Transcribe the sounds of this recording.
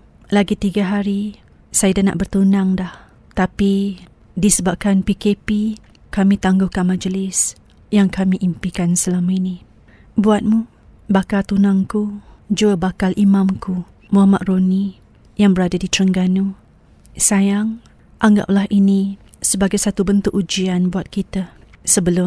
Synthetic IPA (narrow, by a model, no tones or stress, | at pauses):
laɡit̪iɡaɦaɾi | sajadana̰ʔbərt̪unaŋdah | t̪api | disəbap̚kanpikepi | kamĩt̪aŋɡʊhkaŋmãd͡ʒəlɪs | jaŋkamiʔimpikansəlamaini | buat̪̚mu | bakalt̪unaŋkud͡ʒuəbakalʔimãmku | muɦamaʔroni | jaŋbəɾadadit̪ɾəŋɡanu | sajaŋ | ʔaŋɡa̰p̚lahʔini | səbaɡajsat̪ubənt̪ʊkʔud͡ʒianbuat̪̚kit̪a | səbəlʊ